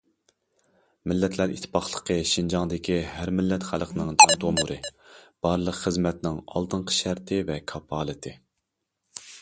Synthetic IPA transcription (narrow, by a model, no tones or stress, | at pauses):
mɪlːɛt̪ʰlæɾḭt̪ʰːɪ̥pʰɑχlˠəqʰəʃind͡ʒɑŋd̪ɪkʲʰiɦæɾmɪlːɛt̪χælˠəqʰənɨŋd͡ʒɑnt̪ʰomuɾʔɨb̥ɑɾlˠəqχəzmɛt̪nɪŋɑ̰lˠt̪ɨɴqʰə̥ʃæɾt̪ʰɪvɛkʰɑpʰɑːlˠɨt̪ʰɪ